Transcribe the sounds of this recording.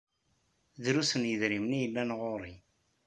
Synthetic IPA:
ðɾusənjəðɾimnijəlːænʁoɾˤi

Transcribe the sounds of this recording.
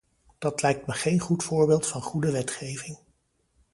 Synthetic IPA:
d̥ɑtlɛjk̚tməχejnχutfʊːɹbeːlˠtfɑnχudəʋɛtχejvɪŋ

